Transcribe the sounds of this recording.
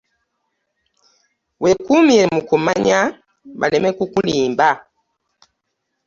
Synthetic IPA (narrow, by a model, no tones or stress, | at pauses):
wekumiemukumaɲa | βa̰lemekukuliːmba